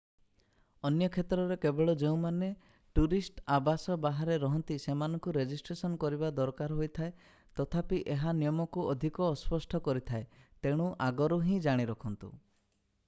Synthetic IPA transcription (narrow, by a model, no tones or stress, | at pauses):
ɔnjɔkʰet̪ɾɔɾekebeɭɔd͡ʒeũmane | ʈuɾisʈabasɔbaɦaɾeɾɔɦɔnt̪isemanɔŋkuɾed͡ʒisʈɾesɔnkɔɾibad̪ɔɾkaɾɦojt̪ʰae | t̪ɔt̪ʰapiʔeɦanijɔmɔkuɔd̪ʱikɔːspɔsʈʰɔkɔɾit̪ʰaet̪eɽ̃uʔaɡɔɾuɦĩd͡ʒaɽ̃iɾɔkʰɔnt̪ṵ